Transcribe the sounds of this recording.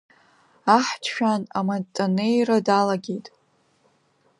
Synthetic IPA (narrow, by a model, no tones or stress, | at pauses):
aħtʰʃᶣana̰matʼonejradalaɡʲejtʼ